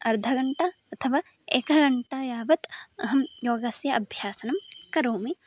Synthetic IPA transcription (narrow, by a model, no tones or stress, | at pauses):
ɐɾd̪ʱɐɡɐɳʈɐ | ɐt̪ʰɐʋaː | eːkɐɡɐɳʈajaːʋɐt̪ɐɦɐmjoːɡasjɐʔɐbʱjaːsɐnɐmkɐɾoːmi